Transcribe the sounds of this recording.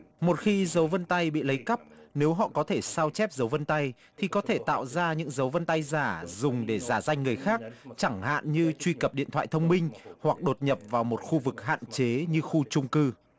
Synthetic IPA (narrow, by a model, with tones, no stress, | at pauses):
mo˨˩t̚xi˧zə˨˦wvə˧nt̪a˧jɓḭ˧˨lə˨˦jkə˦˥p̚ne˨˦wɦɔ̰˧˨kɔ˨˦t̪ʰe˧˩saː˧wt͡ɕɛ˦˥p̚zə˨˦wvə˧nt̪a˧j | t̪ʰi˨˩kɔ˨˦t̪ʰe˧˩t̪a̰ː˧˨wzaː˧ɲɨ̰˧˥ŋzə˨˦wvə˧nt̪a˧jzaː˧˩zʊ˨˩ŋ͡mɗe˧˩zaː˧˩za˧jŋ̟ŋɨ˨˩əjxaː˦˥k̚t͡ɕa˧˩ŋha̰ː˧˨nɲɨ˧t͡ɕwi˧kə˨˩p̚ɗḭ˧˨nt̪ʰwa̰ː˧˨jt̪ʰə˧wŋ͡mmï˧ŋ̟hwa˨˩k̚ɗo˨˩t̚ɲə˨˩p̚vaː˨˩wmo˨˩t̚xu˧vɨ˨˩k̚ɦa̰ː˧˨nt͡ɕe˨˦ɲɨ˧xu˧t͡ɕʊ˧ŋ͡mkɨ˧